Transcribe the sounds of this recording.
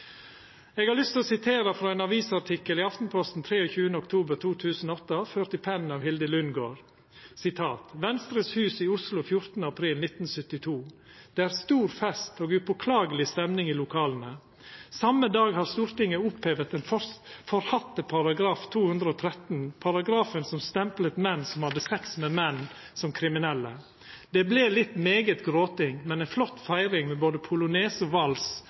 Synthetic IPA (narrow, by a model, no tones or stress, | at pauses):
eːɡɑɾlʏst̪oːsɪt̪ʰeːɾəfɾɑːæɪnɑʋiːsɑʈʰɪkəliːɑft̪n̩pʰɔst̪n̩t̪ʰɾeːɔçʉːənəɔkt̪ʰuːbəɾt̪ʰuːt̪ʰʉːsn̩oɔt̪ːəføːɾt̪ɪpʰɛn̩ɑːʋhɪld̪əlʉnɡoːɾ | sɪt̪ʰɑːt̪ʋɛnst̪ɾəshʉːsiːʊslʊfjʊɾt̪nəɑpʰɾiːlnɪt̪n̩sʏt̪ːɪt̪ʰuːd̪̥eːæːɾst̪uːɾfɛst̪oːɡʉbʊkʰlɑːɡəlɪst̪ɛmnɪŋiːlʊkʰɑːln̩ə | sɑmːəd̪ɑːɡhɑɾst̪uːɾt̪ɪŋːəʊpʰheːʋət̪ɛnfɔfɔɾhɑt̪ːəpʰɑɾɑɡɾɑːft̪ʰuːhʉnd̪ɾəɔːt̪ʰɾɛt̪npʰɑɾɑɡɾɑːfənsɔmst̪ɛmplət̪mɛnːsɔmhɑd̪ːəsɛksmɛmɛn | sɔmkʰɾɪmɪnɛlːə | d̪̥ɛbleːlɪt̪meːɡət̪ɡɾoːt̪ɪŋmɛnæɪnflɔt̪ːfæɪɾɪŋmɛboːd̪əpʰʊlʊnɛːsɔʋɑls